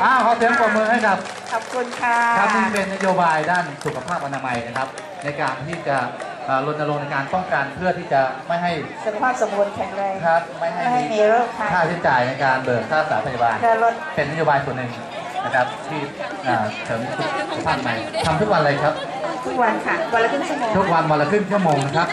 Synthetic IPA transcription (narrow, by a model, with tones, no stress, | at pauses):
ʔaː˧˩kʰa˨˦wsɯ˨˦ŋkɔː˨˩t̪̚mɯː˧ŋɦa˥˩jkʰa˦˥p̚ | kʰɔ˨˩p̚kʰu˧nkʰa˥kʰa˦˥sɯ˥˩pe˧nːa˥joː˧baː˧jdaː˥˩nsu˨˩kʰa˧pʰaː˥˩p̚ʔa˧naː˧ma˧jna˦˥kʰa˦˥p̚ | na˧jkaː˧nt̪ʰiː˥˩t͡ɕa˨˩ | ʔaː˨˩lo˦˥t̪̚na˧lo˧ŋna˧jkaː˧nt̪ɔ˥˩ŋka˧npʰɯ˥˩ɐt̪ʰiː˥˩t͡ɕa˨˩ma˥˩jɦa˥˩jsu˨kʰa˧pʰaː˥˩pso˩˦mbu˧nkʰɛ˨˧ŋla˧kʰa˦˥p̚ma˥˩jɦa˥˩jhmi˧ɾo˥˩a˦˥˩kʰaː˥˩t͡ɕʰi˨˦nt͡ɕa˧˩jna˧jkaː˧nbɤː˨˩k̚saː˥˩saː˩˦pʰa˧˩ja˧baː˧nkɯ˧lo˦˥t̪̚pe˧na˦˥joː˧baː˧jsu˨˩ənːɯ˨˩ŋ | na˦˥kʰa˦˥p̚t̪ʰiː˥˩ | ʔaː˨˩t̪ʰɤ˩˦m˧t̪ʰu˦˥˩t̚ːpʰaː˥˩˨ma˧jt̪ʰa˧mt̪ʰu˦˥k̚wa˧nla˧jkʰa˦˥p̚ | t̪ʰu˦˥k̚wa˧nkʰa˥˩wɔ˧la˧kʰɯ˥˩nt͡ɕʰu˥˩mɔː˧t̪ʰu˦˥k̚wa˧nwɔ˧la˧kʰɯ˥˩ŋt͡ɕʰu˥˩mɔː˧ŋna˦˥kʰa˦˥p̚